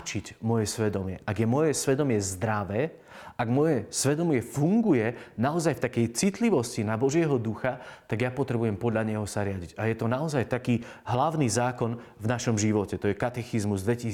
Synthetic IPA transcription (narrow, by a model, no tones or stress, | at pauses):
t͡ʃicmɔjɛsʋɛd̪ɔmɪɛʔaɡjɛmɔjɛsʋɛd̪ɔmɪɛzd̪ɾaʋɛː | aɡmɔjɛsʋɛd̪ɔmɪɛfuŋɡujɛnaɔzajft̪akɛjt͡sit̪liʋɔscinabɔʒɪɛɦɔd̪uxat̪aɡjapɔt̪ɾɛbujɛmpɔd̪ʎaɲɛɦɔsaɾɪaɟiɟajɛt̪ɔnaɔzajt̪akiː | ɦlaʊniːzaːkɔnvnaʃɔmʒiʋɔcɛt̪ɔjɛkat̪ɛxizmuzd̪ʋɛci